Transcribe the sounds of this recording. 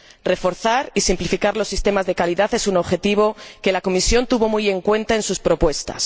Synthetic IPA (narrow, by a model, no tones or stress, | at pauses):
re̞fo̞ɾθaɾisimplifikaɾlo̞sːist̪e̞mazðe̞kaliðaθe̞suno̞βxe̞t̪iβ̞o̞ke̞lako̞misjo̞nt̪uβo̞muje̞ŋkwe̞nt̪ae̞nsuspɾo̞pwe̞st̪a̰s